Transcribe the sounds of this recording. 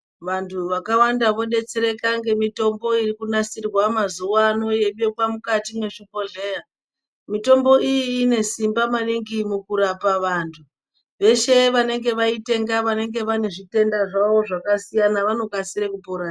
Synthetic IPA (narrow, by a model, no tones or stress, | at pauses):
ʋantʰuʋakawandaʋo̞ɗe̞t͡seɾe̞kaŋɡe̞mito̞mbo̞irikunasirwamazuʋaːno̞je̞ɓekwamukatimwe̞ʂipo̞ɮe̞ːja | mito̞mbo̞ijiːne̞simbamaniŋɡimukuɾapaʋaːntʰu | ʋe̞ʃe̞ʋane̞ŋɡe̞ʋaite̞ŋɡaʋane̞ŋɡe̞ʋane̞ʐite̞ndaʐawo̞ʐakasijanaʋano̞kasiɾekupoɾaː